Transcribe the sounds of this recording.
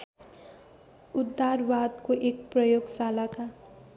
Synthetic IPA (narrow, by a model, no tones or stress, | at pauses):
ud̪ːarbad̪koʔek̚prʌjoɡsalaka